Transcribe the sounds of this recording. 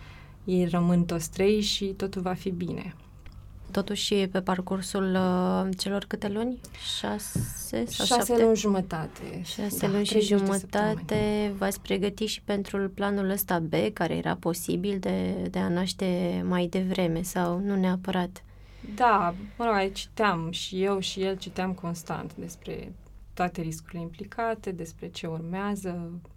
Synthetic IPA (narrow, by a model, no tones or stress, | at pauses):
jejrəmɨnt̪o̞t̪sʲt̪ɾejʃit̪o̞t̪ulvafibine̞̰ | t̪o̞t̪uʃʲpe̞parkursult͡ʃe̞lo̞rkɨt̪e̞lunʲʃasesʃaʃaselunʲʒumət̪at̪ḛʃaselunʲʃiʒumət̪at̪e̞vat̪sʲpɾe̞ɡət̪iʃi̥pe̞nt̪ɾuplanuləst̪abe̞kaɾejeɾa̰po̞sḭbild̪ed̪e̞anaʃt̪e̞majd̪e̞vɾe̞me̞sawnuneapəɾat̪ | d̪aməɾoɡat͡ʃi̥t̪eamʃije̞wʃije̞lt͡ʃit̪eamko̞nst̪a̰nt̪d̪e̞spɾe̞̰ | t̪oat̪e̞ɾiskuɾile̞implikʰat̪e̞d̪e̞spɾe̞t͡ʃe̞urmeazə